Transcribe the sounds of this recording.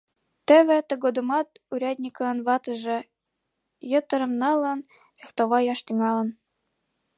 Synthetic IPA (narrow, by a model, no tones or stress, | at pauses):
t̪ɘ̆βɘ̆t̪ɤ̆ɡod̪ɤ̆mɑt̪uɾʲæd̪ʲnʲikɤ̆nβɑt̪ɤ̆ʒɤ̆ | jɤ̆t̪ɤ̆ɾɤ̆mnɑlˠɤ̆n | ext̪oβɑjɑʃt̪iŋɑlˠɤ̆n